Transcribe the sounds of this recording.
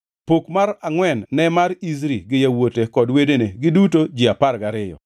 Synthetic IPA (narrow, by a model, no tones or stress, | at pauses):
pokmaɾaŋwɛnːɛmaɾiz̬ɾḭɡɪjawotekɔdwedeneɡɪdutod͡ʒɪapaɾɡaɾɪjɔ̰